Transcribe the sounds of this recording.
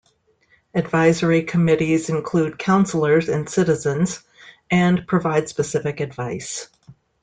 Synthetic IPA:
ɨdvaɪzə˞ikʰəmɪɾizɨ̃nkʰl̥ud̚kʰãʊ̃nsl̩ˠə˞zɨ̃nsɪɾɨzɨ̃nz | ɨ̃npʰɹ̥ɨvaɪd̥spɨsɪfɨkɨdvaɪs

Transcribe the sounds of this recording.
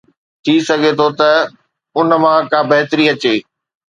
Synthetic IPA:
t̪ʰisɐɡʱet̪ʰot̪ɐ | ʊnə̆mãkaːbɐɦɪt̪ɾiɐt͡ɕeː

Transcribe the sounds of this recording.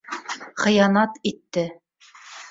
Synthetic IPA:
χɤ̆jɑnɑt̪it̪ːɘ

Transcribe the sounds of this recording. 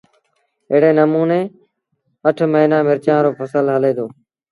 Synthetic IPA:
əːɽeːnəmuːneː | əʈʰməɦiːnãːmɪɾt͡ʃãːɾoːpʰəsəlɦəleːd̪oː

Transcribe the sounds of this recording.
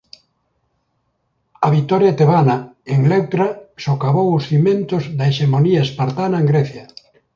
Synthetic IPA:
ɐβit̪ɔɾjat̪eβanaeŋlewt̪ɾasokaβowʊsθimẽnt̪ozðɐeʃemoniaespaɾt̪anaẽŋɡɾeθja

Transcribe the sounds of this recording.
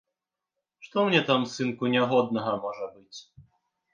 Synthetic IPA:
ʂt̪ɔmnʲɛt̪amsɨnkunʲaɦɔd̪̚nɐɣɐmɔʐɐbɨt͡sʲ

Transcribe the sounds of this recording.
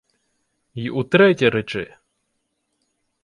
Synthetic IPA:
iut̪ɾɛtʲiɾɛt͡ʃɪ

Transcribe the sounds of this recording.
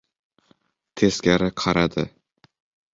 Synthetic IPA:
t̪ʰe̞skʲaɾɪqʰɑɾad̪ɪ

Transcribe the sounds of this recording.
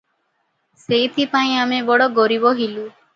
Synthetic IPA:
sejt̪ʰipaĩamebɔɽɔɡɔɾibɔɦilu

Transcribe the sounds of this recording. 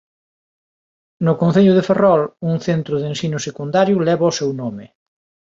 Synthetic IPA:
nʊkõnθeʎʊðeferɔluŋθent̪ɾʊðensinʊsekund̪aɾjʊlɛβaosewnomɪ

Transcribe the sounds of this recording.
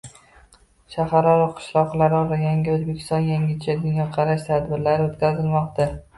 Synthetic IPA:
ʃahaɾɒɾɒqʰɨ̥ʃlˠɒqlˠaɾɒɾajaŋɡʲɪɵzbekʲʰɪ̥st̪ɒnjaŋʲɪt͡ʃʰad̪ʊnjɒqʰɑɾaʃt̪ʰad̪bɪɾlaɾot̪kʲazɪlmɒqt̪a

